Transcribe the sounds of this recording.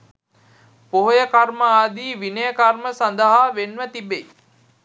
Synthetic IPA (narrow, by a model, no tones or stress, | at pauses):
poɦojəkarməaːd̪iːʋinəjəkarməsand̪əɦaːʋenʋət̪ibej